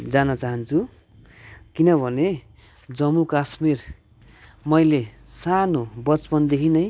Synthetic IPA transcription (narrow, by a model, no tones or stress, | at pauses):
d͡zanʌt͡saɦʌnt͡sʰu | kinʌbʱʌne | d͡zʌmːukasmir | mʌjle | sanobʌt͡spʌnd̪ekʰinʌj